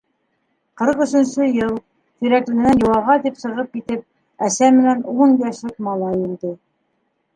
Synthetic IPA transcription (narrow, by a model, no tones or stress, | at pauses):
qɤ̆ɾɤqɵ̆sɵ̆nsɵjɤlˠ | t̪ĭɾæklɘ̆ɡɘ̆nænjŏwɑʁɑt̪ipsɤ̆ʁɤp̚kit̪ɘp̚ | æsæmɘ̆nænunbæʃlɘkmɑlˠɑjuld̪ɘ